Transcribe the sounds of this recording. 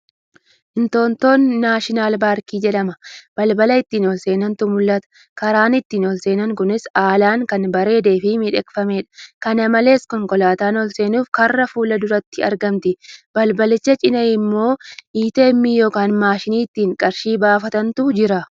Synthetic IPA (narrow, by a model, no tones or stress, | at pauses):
ʔɪnt̪o̞ːnt̪o̞ːnːaːʃɪnaːlbaːɾkiːd͡ʒɛᶑɐmɐb̥ɐlbɐlɐɪt̪ːiːnɔlse̞ːnɐnt̪ʊmʊlːɐt̪ɐ̥ | kɐɾaːnɪt̪ːiːnɔlse̞ːnɐŋkʊnɪsaːlaːŋkɐnbɐɾe̞ːd̪e̞ːfɪmɪᶑɛkʼfɐmeːᶑɐ̥kɐnɐmɐle̞ːskɔŋkʼɔlaːt̪aːnɔlse̞ːnuːfkɐrːɐfuːlɐd̪ʊɾɐt̪ːɪɐɾɡɐmt̪ɪbɐlbɐlɪt͡ʃːɐt͡ʃʼɪnɐjɪmːo̞ːʔiːt̪e̞ːmːijoːkaːnmaːʃɪniːt̪ːiːŋkʼɐɾʃiːbaːfɐt̪ɐnt̪ʊd͡ʒɪɾɐ